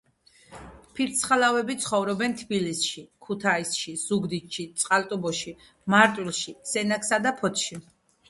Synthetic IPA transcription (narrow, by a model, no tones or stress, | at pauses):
pʰiɾt̪sʰχalavɛbit̪sʰχɔvɾɔbɛnt̪ʰbilisʃikʰut̪ʰaisʃiz̥uɡd̪it̪ʃit̪sʼqʼalt̪ʼubɔʃi | maɾt̪ʼwilˠʃisɛnakʰsad̪apʰɔt̪ʰʃi